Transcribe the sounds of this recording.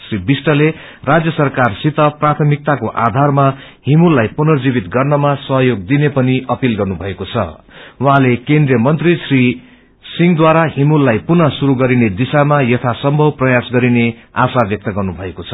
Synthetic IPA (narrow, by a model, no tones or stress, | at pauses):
sribisʈʌle | rad͡zjʌsʌrkarsit̪ʌprat̪ʰʌmik̚t̪akoʔad̪ʱarma | himulːajpunʌrd͡zibit̪ɡʌrnʌmasʌɦʌjoɡ̚d̪inepʌniʔʌpilɡʌrnubʱʌekot͡sʰʌ̰wuɦãlekend̪rijʌmʌnt̪risri | siŋd̪waɾaɦimulːajpunʌsuɾuɡʌɾined̪isamajʌt̪ʰasʌmbʱʌwprʌjasɡʌɾineasabjʌk̚t̪ʌɡʌrnubʱʌekot͡sʰʌ̥